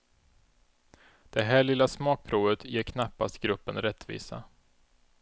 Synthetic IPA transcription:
d̪̥ɛɦæːɭɪlːasmɑːk̚pʰɾuːvət̪jeːɾkʰnapːast̪ɡɾɵpːənɾɛt̪ːvḭːsa̰

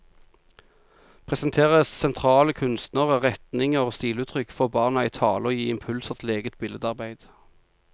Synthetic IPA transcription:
pʰʁɛsənt̪ʰeːʁəssɛnt̪ʰʁɑːləkʰʉnst̪nəʁəʁɛt̪nɪŋəost̪iːlʉːt̪ʰʁʏkːfɔʁbɑːʁnəæɪt̪ʰɑːləoːjiːɪmpʰʉlsəʁt̪leːɡət̪bɪləd̪ɑʁbæɪd̪̥

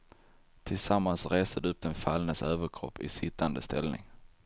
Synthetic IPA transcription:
t̪ʰɪlsamːansɾeːst̪əd̪ɵɵp̚d̪ɛnfalnəsøːvəɾkʰɾɔ̰pːɪ̰sɪt̪ʰːand̪əst̪ʰɛlnɪ̰ŋ

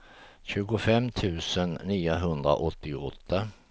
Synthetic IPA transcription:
ɕʉ̟ːɡʊfɛmːt̪ʰʉ̟ːsənːiːʊɦɵnd̪ɾa̰ʔɔt̪ːɪɔt̪ʰːa

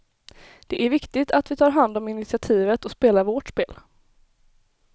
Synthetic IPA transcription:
d̪̥ɛʔæɾvɪkt̪ɪt̪at̪vɪt̪ʰɑːɾɦand̪ɔmɪnɪt̪sɪat̪ʰiːvət̪ɔspeːlaɾvoːʈʂpeːl

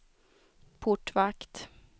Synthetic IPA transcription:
pʰʊʈvakt̪

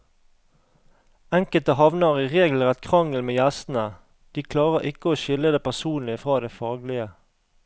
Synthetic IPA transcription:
ɛŋkəlt̪əhɑʋnəʁiːʁeːɡl̩ʁɛt̪kʰʁɑŋəl̩meːjæst̪n̩ə | d̪̥iːkʰlɑːʁəʁʔɪkəoːʃɪləd̪eːpæʁsuːnlɪfʁɑːd̪eːfɑːɡlɪə

